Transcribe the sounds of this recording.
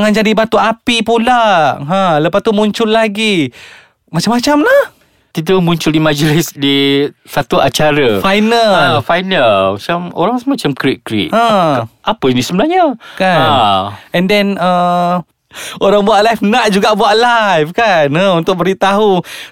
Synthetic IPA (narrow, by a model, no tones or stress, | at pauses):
ŋand͡ʒadibat̪uʔapipulaɦə̃ləpast̪umuɲt͡ʃʊlːaɡi | mat͡ʃamat͡ʃamlah | t̪idamũɲt͡ʃʊldimad͡ʒəlɪsdisat̪uʔat͡ʃaɾəfajnalfajnalmat͡ʃamo̰ɾaŋsmat͡ʃamkɾiʔ̚kɾḭʔãʔapənisəbənahɲakaanɛndɛnə | oɾaŋbuaʔlajfnaʔd͡ʒuɡaʔbuaʔlajfkanə̃unt̪ʊk̚bəɾit̪aɦu